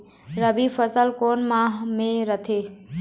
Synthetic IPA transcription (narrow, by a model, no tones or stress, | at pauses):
ɾəbʱifəsəlkoːnmãɦmẽɾət̪ʰeː